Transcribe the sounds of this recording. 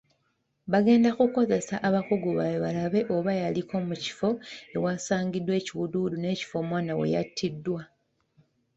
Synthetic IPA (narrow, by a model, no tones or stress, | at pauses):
βaɡe̞ːndakuko̞ze̞saʔaβakuɡuβajoβalaβe̞ʔo̞βajaliko̞muci̥fo̞e̞waːsaːɲɡidːwe̞ːciwududune̞ːci̥fo̞ːmwaːnawḛja̰tʰːidːwa